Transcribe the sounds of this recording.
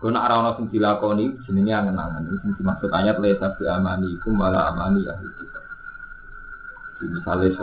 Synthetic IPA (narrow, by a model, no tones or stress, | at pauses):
ɡ̥ɔnaaɾaɔnɔʔsənt̪ilakɔni̥d͡ʒ̥i̤niniaŋənːa̰ŋaniisənt̪imaksʊt̪aɲat̪lɛsasiamaniːkumbala̰a̰manija̰ɦɡit̪ | d͡ʒ̥inisales